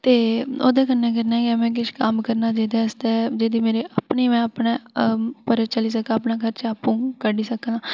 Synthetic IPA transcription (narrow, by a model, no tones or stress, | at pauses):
t̪eːoːd̪eːkənːeːk̬ɛɾnaːkɛmɛ̃ːk̬ɪʃkəmkəɾnaːd͡ʒeːd̪eːəst̪ɛːd͡ʒeːd̪iːmeːɾeːʔəpneːmɛ̃ːəpneːpəɾet͡ʃəliːs̬əkãːpnaːkʰəɾt͡ʃaːpũːkəɖiːsəkːlaː